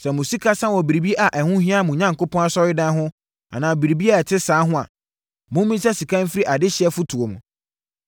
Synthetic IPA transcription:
sɛ˨mʊ̃˨si˦kʰa˦sã˦wɔ˨bi˨ɾi˨bi˦e˦ʔa˨ʔɛ˨hʊ̃˦ɦĩ˦a˦˨mũ˨ɲã˦ŋ˨kʊ˦pɔ̃˦na˦sɔ˦ɾɪ˦dã˦ɦʊ̃˦ | a̰˨nãː˨bi˨ɾi˨bi˦a˦˨tʰɪ˦sãː˨˦ɦʊ̃˦a̰˨ | mʊ̃˦mĩ˦sa˦si˨kʰã˦m˦fɪ˦ɾi˦ʔa˨dɪ˦ɕɪ˨˦ɛ˦fʊ˦tʰu˨o˨mṵ̃˨

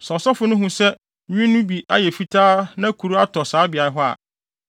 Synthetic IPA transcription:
sɔ˨sɔ˦fʊ˦nʊ̃˦ɦũ˦sɛ˦ | ĩ˦nʊ̃˦bi˨ʔa̰˦jɛ˨fi˦tʰaː˦nã˦kʰu˨ɾu˦a˦tʰɔ˨saː˨˦bɪ˨a˨ɾɦɔ˦a̰˨

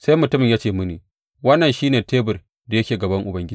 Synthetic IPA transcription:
sa˦jmʊ˨tʊ˦mɪ˨ɲjaː˦t͡ʃeː˨mʊ˦niː˨ | wɐ˦nːɐ˨nʃiː˦neː˨teː˦bʊ˨r | da˨jɐ˦kʲeː˨ɡɐ˨bɐ˦ŋʔʊ˨bɐ˦ŋɡʲɪ˦

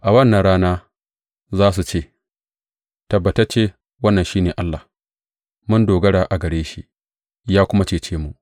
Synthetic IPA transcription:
ʔa˨wɐ˦˨nːɐ˨nɽaː˦naː˦ | zaː˦s̬u˨t͡ʃeː˦˨ | tɐ˨bːɐ˨tɐ˦t͡ʃeː˦ | wɐ˦nːɐ˨nʃiː˦neː˨ʔa˦lːa˨h | mʊ˦ndoː˨ɡɐ˦ɽaː˨ʔa˨ɡɐ˨ɽeː˦ʃi˦ʔ | jaː˦kʷʊ˦ma˦t͡ʃeː˦˨t͡ʃeː˦mu˨ʔ

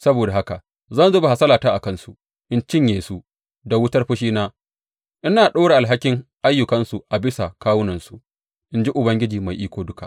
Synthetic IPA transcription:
sɐ˦boː˨da˨ɦa˦ka˨ʔ | zɐ˦nzʊ˦ba˨ha˨sɐ˦laː˨taː˦ʔa˨kɐ˦˨nsu˨ | ʔɪ˦nt͡ʃɪ˦ɲjeː˨su˦ | da˨wʊ˦tɐ˦rɸɪ˦ʃiː˦naː˦ | ʔɪ˦naː˨ɗoː˦ɽe˨ʔa˨lɦa˦kʲɪ˦ŋʔa˦jːʊ˨kɐ˦nsu˨ʔa˨bɪ˦sa˨kaː˦wʊ˦nɐ˨nsu˨ | ʔɪ˦nd͡ʒi˦ʔʊ˨bɐ˦ŋɡʲɪ˦d͡ʒiː˨ma˨jʔiː˦kʷoː˦dʊ˦ka̰˨

